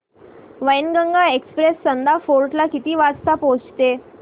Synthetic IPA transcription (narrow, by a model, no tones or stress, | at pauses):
ʋəjnɡəŋɡaekspɾesːənd̪afoɾʈlakit̪iːʋad͡zt̪apod͡zt̪e